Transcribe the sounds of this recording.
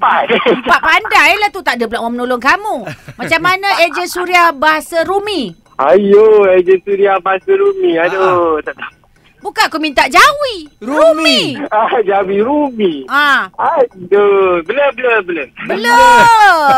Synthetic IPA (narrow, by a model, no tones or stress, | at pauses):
pampaʔpandajlaht̪ut̪aʔdəpəlaʔmomənoloŋkamumat͡ʃamːanãʔed͡ʒəsuɾiabaɦasaɾumi | ajoed͡ʒəsuɾiabaɦasaɾumiadot̪aʔt̪a | bukaakumint̪aʔd͡ʒawiɾumiad͡ʒawiɾumiaadobələbələbələbələ